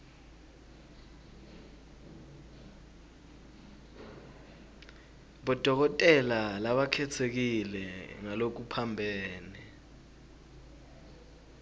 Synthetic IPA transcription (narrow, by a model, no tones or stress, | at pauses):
ɓɔd̥ʱɔk̬ɔtʼɛlalaɓakʰɛt͡sʰek̬ilɛŋalok̬upʰambʱɛːnɛ